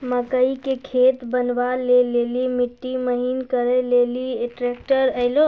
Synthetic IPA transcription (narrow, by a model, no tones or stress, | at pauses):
məkəikekʰet̪bənʋalelelimiʈːiməɦinkəɾɛlelieʈɾɛk̚ʈəɾəɪlo